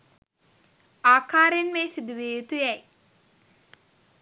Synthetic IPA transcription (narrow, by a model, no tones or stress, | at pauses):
aːkaːɾenmeːsid̪uʋeːjut̪ujɛj